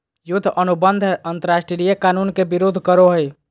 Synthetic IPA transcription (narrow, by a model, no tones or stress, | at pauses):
jud̪ʱːʔənubənd̪ʱənt̪əɾasʈɾiɾijəkanunkebiɾod̪ʱkəɾoɦəj